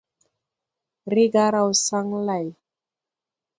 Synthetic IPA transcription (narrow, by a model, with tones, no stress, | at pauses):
ɾi˦ɡa˦ɾa˦˨wsa˦ŋla˨j